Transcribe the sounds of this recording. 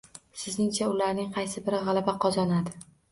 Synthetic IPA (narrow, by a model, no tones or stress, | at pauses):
sɪznɪŋt͡ʃʰaʊlaɾnɪŋqʰɑjsɪbɪɾɪʁɑlˠabaqʰɒzɒnad̪ɪ